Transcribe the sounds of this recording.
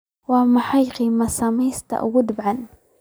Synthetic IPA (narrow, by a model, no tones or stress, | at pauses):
wamaħajqimasamiːst̪a̰ʔwʊd̪bʕan